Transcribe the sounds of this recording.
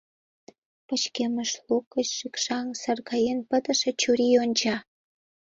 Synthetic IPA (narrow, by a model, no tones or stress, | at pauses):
pə̆t͡ɕkʲeməʃlukːəɕʃikʃɑŋsɑrkɑjenpə̆d̪ə̆ʃĕt͡ɕuɾʲijont͡ɕɑ